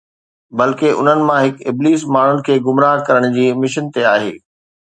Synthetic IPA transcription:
bɐlkeʔʊ̰n̤ənɪ̆mãɦɪkɪbliːs̬maːɳ̤ʊnɪ̆kʰeːɡʊmɾaːɦkɐɾəɽ̃d͡ʑiːmɪʃənt̪eaːɦḛː

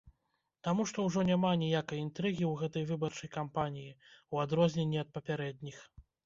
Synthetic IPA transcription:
t̪amuʂt̪ɔwʐɔnʲamanʲijakɐjint̪ɾɨɣʲiwɣɛt̪ɐjvɨbɐrt͡ʂɐjkampanʲijiwad̪ɾɔzʲnʲenʲːiɐt̪̚pɐpʲaɾɛd̪̚ʲnʲix

